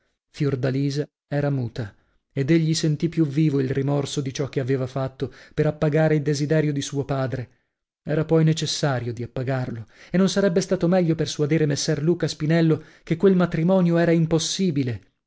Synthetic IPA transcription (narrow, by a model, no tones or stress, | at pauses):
fjord̪aliːza | ɛːɾamuːt̪a | ed̪eʎːisent̪ipːjuviːvoilrimɔrsod̪it͡ʃɔk̟ːeaveːvafat̪ːopeɾapːaɡaːɾeild̪ezid̪ɛːɾjod̪isuːopaːd̪ɾe | ɛːɾapɔjnet͡ʃesːaːɾjod̪iapːaɡarloenːonsaɾɛbːest̪aːt̪omɛʎːopersuad̪iːɾemesːɛrluːkaspinɛlːo | kekːwelmat̪ɾimɔːnjoɛːɾaimposːiːbile